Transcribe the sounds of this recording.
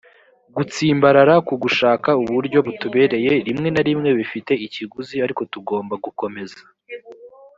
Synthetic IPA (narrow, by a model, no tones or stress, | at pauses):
ɡut͡siːmbaɾaɾakuɡuʃaːkauβuɾɟo̞βutuβe̞ːɾe̞je̞ɾimŋe̞naɾimŋe̞βifite̞iciɡuziaɾiko̞tuɡo̞ːmbaɡuko̞me̞zḁ